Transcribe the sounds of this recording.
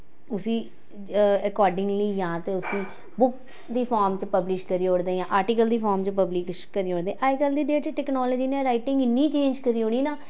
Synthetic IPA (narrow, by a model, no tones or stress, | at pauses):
ʊsĩː | əkɔːɾɖɪ̃ŋɡliːjãːt̪eːʊsĩː | bʊk | d̪iːpʰaːɾmt͡ʃpəblɪʃkəɾiːɦoːɽd̪ẽːãːʔaːɾʈiːkəld̪iːpʰaːɾmt͡ʃəpəbliːk | kəɾiːoːɽd̪ẽːʔaikəld̪iːɖeːʈt͡ʃʈɛːknɔːlɔd͡ʒiːnẽːɾaːiːʈɪ̃ŋɡɪnːiːt͡ʃeːɲd͡ʒkəɾiːɦõːɽiːnãː